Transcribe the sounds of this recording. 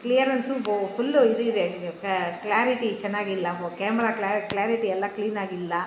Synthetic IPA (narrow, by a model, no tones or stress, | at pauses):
klijɐɾɐnsufulːuid̪ue | klaːɾiʈit͡ʃɛnːaːɡɪlːɐkeːmɛɾaːklaːklaːɾiʈiɛlːɐkliːnaːɡilːɐ